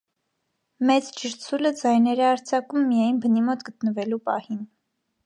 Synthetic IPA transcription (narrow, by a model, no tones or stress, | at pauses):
mɛt͡st͡ʃʰəɾt͡sʰuləd͡zɑjnɛɾɛɑɾt͡sʰɑkumːijɑjnbənimɔt̪ɡət̪nəvɛlupɑ̰hin